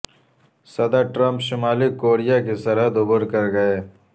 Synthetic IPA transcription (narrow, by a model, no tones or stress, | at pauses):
sɐd̪əɾʈɾɐ̃mpʃɪmaːlikoːɾijakesɐɾɦəd̪ʊbʊɾkɐɾɡɐeː